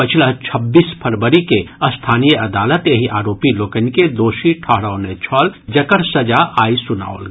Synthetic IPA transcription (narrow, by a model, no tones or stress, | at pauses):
pət͡ʃʰlat͡ʃʰɐbːiːspʰɐɾbəɾikeɐst̪ʰaːnijəʔɐd̪aːlət̪jɐɦiʔaːɾoːpiloːkənked̪oːʃiʈʰɔɦɽanet͡ʃʰɔːld͡ʒɐkəɾsəd͡ʒaaːisʊna̰ːolɡ